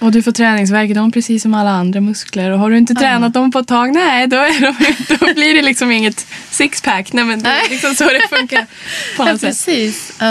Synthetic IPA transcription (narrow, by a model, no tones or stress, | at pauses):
ɔd̪ɵfoːt̪ʰɾɛːnɪŋs̬væɾkəd̪ɔmpʰɾɛsiːsːɔmalːaand̪ɾamɵskləɾɔɦaɖɵɪnt̪̬ət̪ʰɾɛːnat̪̚d̪ɔmpʰɔɛt̪ʰːɑːɡnɛd̪ɔæɖɔmɪnt̪d̪ɔbliɖɛlɪksɔmɪŋːət̪sɪkspʰæknɛmɛnd̪ɛælɪksɔmsɔd̪ɛfɵŋkaɾpʰɔnɔt̪sɛɛtːiːs